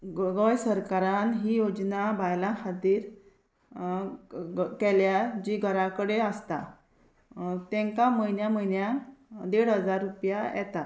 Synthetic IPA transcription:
ɡəjsəɾkaɾanɦijod͡znabʱajlãhad̪iːɾ | kɛljad͡ʑiɡʱəɾakəɽeəst̪a | t̪ɛ̃ŋkaməjnjaməjnjãnd̪eɽɦəd͡zaɾːupjajɛ̰t̪a

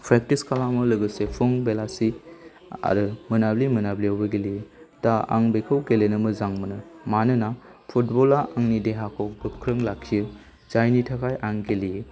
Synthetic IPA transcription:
pʰɾek̚tiskʰalamɯlɯɡɯsepʰɯŋbelasi | a̰ɾɯmɯnablimɯnabliawbɯɡelijɯdaa̰ŋbekʰɯwɡelenɯmɯzaŋmɯnɯmanɯnapʰut̚bɔlaʔaŋnideɦakʰɔwbɯkʰɾɯŋlakʰːijɯ | zajnitʰakʰajʔaŋɡelijɯ

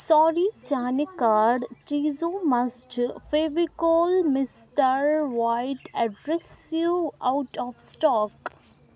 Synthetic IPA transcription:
sɔːɾit͡ʃaːnikaːɾɖt͡ʃiːzõːmɐsd͡ʒfeːʋikolmɪsʈəɾʋaɪʈɛɖɾɛsjuaʊʈɔːfsʈɔːk

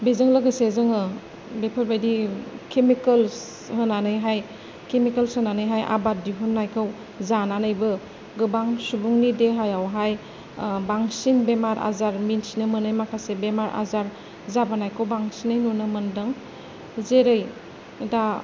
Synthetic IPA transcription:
bezɯŋlɯɡɯsezɯŋɯ | bepʰɯɾbajdikʰemikəls | hɯnanɯjɦaj | kemikəlsɯnanɯjɦajʔa̰bat̚diɦunnajkʰaw | zananɯjbɯ | ɡɯbaŋsubuŋnideɦajawɦaj | baŋsinbemaɾʔa̰zaɾminsinɯmɯnɯjmakʰasebemaɾa̰zaɾ | zabanajkʰawbaŋsinajnunɯmɐndɯŋ | zeɾɯj | da

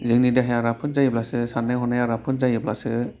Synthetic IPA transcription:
zɯŋnideɦajaɾapʰɯnzajɯblasɯsanːajɦɔnajaɾapʰɯnzajɯblasɯ

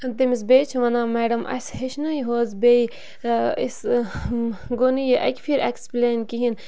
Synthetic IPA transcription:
t̪emis̬bejt͡ʃʰuʋɐnaːmeːɖɐmʔɐ̰sheʃnɐiɦoːzbej | is | ɡonijiʔɐ̰kʲfʰiɾekspleːnkiɦin

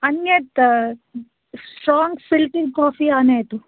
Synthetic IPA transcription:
ɐnjɐt̪ | sʈɾɔːŋɡsɪlʈɪŋkɔːfiaːneet̪u

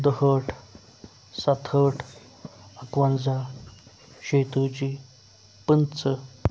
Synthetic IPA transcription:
d̪əɦəʈʰ | sat̪ʰəʈʰ | əkʋand͡za | ɕet̪ot͡ɕiː | pənt͡sə

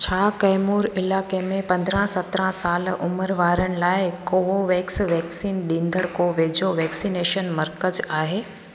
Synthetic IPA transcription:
t͡ɕʰaːkɐːmuːɾɪlaːkemẽpɐ̃nd̪ɾə̃sɐt̪ɾə̃saːlʔʊməɾʋaːɾəɽ̃ɪ̆laːɪkoːʋoʋɛːksʋɛːksiːnɗĩːnd̪əɽkoːʋeːd͡ʑoʋɛːksiːneːʃənmɐɾkəzaːɦeː

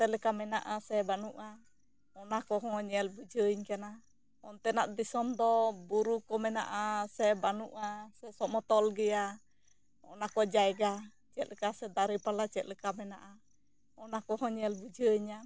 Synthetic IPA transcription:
t̪ɛlɛkamɛnaʔasɛbanuʔa | ɔnakɔɦɔɲɛlbud͡ʒəɲkana | ɔnt̪ɛnaʔd̪isɔmd̪ɔbuɾukɔmɛna̰ʔasɛbanuʔasɛsɔmɔt̪ɔlɡɛja | ɔ̰nakɔd͡ʒaɛɡa | t͡ʃɛt̪̚lɛkasɛd̪aɾipalat͡ʃɛt̪̚lɛkamɛnaʔa | ɔnakɔɦɔɲɛlbud͡ʒəɲa

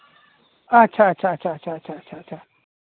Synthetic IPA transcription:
ʔat͡ʃat͡ʃat͡ʃat͡ʃat͡ʃat͡ʃat͡ʃaʔ

